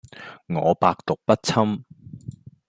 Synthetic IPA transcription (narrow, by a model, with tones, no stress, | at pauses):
ŋɔː˨˧paː˧k̚t̪ʊ˨k̚pɐ˥t̚t͡sʰɐ˥m